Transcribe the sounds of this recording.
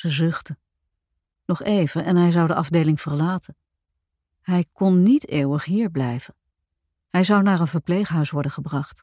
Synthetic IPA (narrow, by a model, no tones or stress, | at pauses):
əzɵχtə | nɔχejv̥əʔɛnɦɛjzɑwdəʔɑvdejlɪŋv̥əɹlaːtʰə | ɦɛjkɔnːiteːwəχɦiːɹblɛjv̥ə | ɦɛjzɑwnaːɹənvəɹplejχɦœɥsʋɔɹdənχəbrɑχt